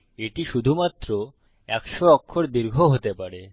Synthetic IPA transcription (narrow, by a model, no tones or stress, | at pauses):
eʈiʃud̪ʱumat̪ːɾo | ɛkʃoɔkʰːoɾd̪iɾɡʱoɦot̪epaɾe